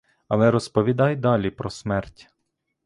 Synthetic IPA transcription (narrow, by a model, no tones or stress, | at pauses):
ɐlˠɛɾɔspɔʋʲid̪ɑjd̪ɑlʲipɾɔsmɛrtʲ